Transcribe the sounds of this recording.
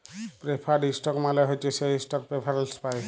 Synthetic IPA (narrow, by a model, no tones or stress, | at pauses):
pɾepʰaɖisʈɔkmalɛɦojt͡ʃʰeseisʈɔk̚pɾepʰaɾelspaj